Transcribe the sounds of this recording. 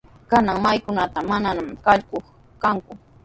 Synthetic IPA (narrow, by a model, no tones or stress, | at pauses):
kanaŋmajkʊnat̪amananamkaʎkoχ | kaŋkʊ